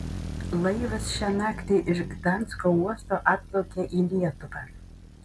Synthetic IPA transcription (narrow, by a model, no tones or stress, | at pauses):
lˠejvɐsʃanakt̪ʲiʔɪrɡd̪ant͡skouɔst̪oʔat̚lowkʲɛʔilʲiɛt̪ʊva